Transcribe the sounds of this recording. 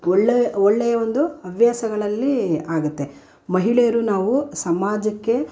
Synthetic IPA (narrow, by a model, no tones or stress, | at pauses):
ɔɭːeɔɭːɛjɐʋond̪uɐʋʱjaːsɐɡɐɭɐlːiaːɡut̪ːe̞ | mɐɦiɭejɐɾunaːʋusɐmaːd͡ʒɐkːe̞